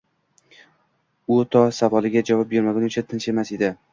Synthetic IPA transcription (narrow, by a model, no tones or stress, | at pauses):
ʊt̪ʰɒsavɒlˠɪɡʲad͡ʒavɒp̚beɾmaɡʲanʊt͡ʃʰat̪ʰɪnt͡ʃe̞mased̪ɪ